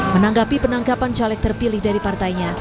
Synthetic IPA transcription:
mənaŋɡapipənaŋɡapant͡ʃalɛk̚t̪ərpilɪhdaɾipart̪ajɲa

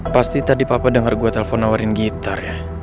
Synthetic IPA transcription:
past̪it̪adipapadəŋarɡuat̪elɛfɔnawaɾinɡit̪arja

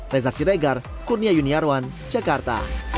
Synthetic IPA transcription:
rɛzasiɾɛɡar | kurniajuniaɾwan | d͡ʒakart̪a̰

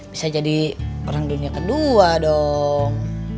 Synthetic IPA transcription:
b̥isad͡ʒadioɾaŋduniakəduadɔŋ

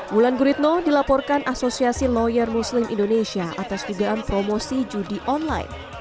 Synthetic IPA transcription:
wulanɡuɾit̪̚nodilapɔrkanʔasosiasilɔjərmuslɪmʔḭndonesiaʔa̰t̪ast̪idaːnpɾomosid͡ʒudiʔɔnla̰j̰n

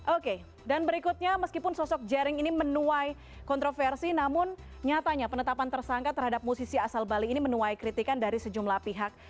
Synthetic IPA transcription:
ʔoke | danbəɾikut̪̚ɲaməskipʊnsɔsɔk̚d͡ʒɛɾɪŋinimənuaj | kɔnt̪ɾofɛrsinamʊn | ɲat̪aɲapənət̪apant̪ərsaŋkat̪ərɦadap̚musisiasalbaliːnimənuajkɾit̪ikandaɾisəd͡ʒumlahpiɦak̚

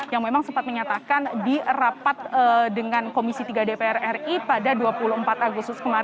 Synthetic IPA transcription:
jaŋmemaŋsəmpat̪̚məɲat̪akandirapat̪̚ədəŋankomisit̪iɡadepeɛrɛripadaduapuluəmpat̪aɡust̪ʊskəmaɾ

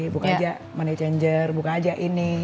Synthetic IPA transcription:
bukad͡ʒaʔ | manat͡ʃɛɲd͡ʒərbukaːd͡ʒaʔini

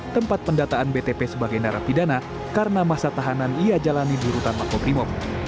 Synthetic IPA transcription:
t̪əmpat̪̚pəndat̪aanbet̪epesəbaɡajnaɾapidana | kaɾənamasat̪aɦananiad͡ʒalanidiɾut̪anlakɔbɾimɔf

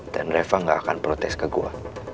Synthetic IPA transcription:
d̥anrɛfaŋɡaakanpɾot̪ɛskəɡua̰

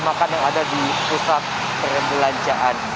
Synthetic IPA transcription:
makanjaŋadadipusat̪̚ | pəɾəmbəlaɲt͡ʃaʔan

